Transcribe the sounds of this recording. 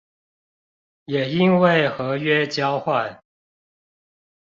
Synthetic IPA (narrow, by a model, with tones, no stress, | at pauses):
jɛ˨˩i˦˥nwe˥˨ɪxɤ˨˥ɥɛ˦t͡ɕjɑ˥˦ʊxwa˥˨n